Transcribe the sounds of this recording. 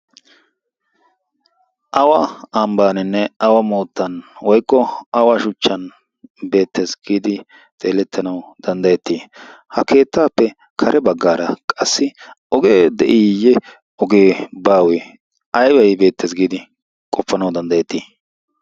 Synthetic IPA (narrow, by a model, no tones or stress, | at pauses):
ʔɐwɐambaːnɛnːɛɐwɐmoːt̪ːɐnwɔjkːɔɐwaʃʊt͡ʃːɐn | be̞ːt̪ːe̞ːsɡiːd̪ɪ | t̪ʼe̞ːlɛt̪ʰːɐnɐwd̪̥ɐnd̪ɐjɛt̪ːiːhɐkʰe̞ːt̪ːaːpːɛ | kʰɐɾʔɛbɐɡːaːɾɐkʼɐsːɪ | ɔɡeːd̪ɛ̰ʔiːjɛ | ɔɡe̞ːbaːwɛ | ʔɐjwɐjbe̞ːt̪ːeːsɡiːd̪ɪ | kʼɔpːɐnɐwd̪ɐnd̪ɐjɛt̪ːiː